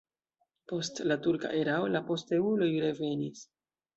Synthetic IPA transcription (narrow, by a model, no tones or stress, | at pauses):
po̞stlatuɾka̰ʔeɾaolapo̞ste̞ulo̞jɾe̞ve̞nis